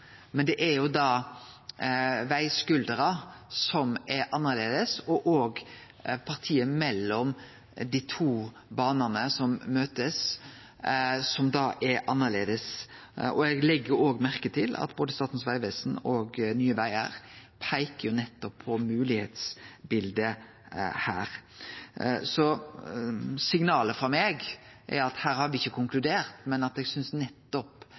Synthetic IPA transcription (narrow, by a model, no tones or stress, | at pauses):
mɛnd̪ɛʔɛɾjʊd̪ɑ | ʋæɪskʉld̪əɾɑsɔmɛɾʔɑnːəʁleːd̪əsɔʔoːɡ | pʰɑʁt̪ʰiːəmɛlːɔm | d̪iːt̪ʰuː | bɑːnənəsɔmːøːt̪əs | ɔmd̪ɑʔɛɾʔɑnːəleːd̪əsʔɔɛɡlɛɡːəɾoːɡmæɾkət̪ʰɪlɑ̰t̪boːd̪əst̪ɑːt̪n̩sʋæɪʋeːsnɔɡnyːəʋæɪə̰ɾpʰæɪkəjʊnɛt̪ːɔpʰːɔmʉːlɪheːt̪sbɪld̪ə | hæ̰ːɾ | sɔ | sɪŋnɑːləfɾɑmeːɡ | ʔɛ̰ɾɑt̪hæːɾhɑɾʋɪɪçːəkʰʊŋklʉd̪eːɾt̪mɛnɑt̪ɛɡsʏnsnɛt̪ːɔp